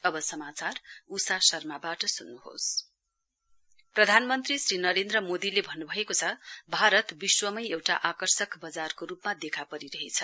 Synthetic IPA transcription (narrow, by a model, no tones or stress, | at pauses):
ʌbʌsʌmat͡sarusasʌrmabaʈʌsunːuɦo̰s | prʌd̪ʱanmʌnt̪risrinʌɾend̪rʌmod̪ilebʱʌnːubʱʌekot͡sʰʌbʱaɾʌt̪biswʌmʌjewʈa̰ʔakʌrsʌkbʌd͡zarkorupmad̪ekʰapʌɾiɾʌɦet͡sʰʌ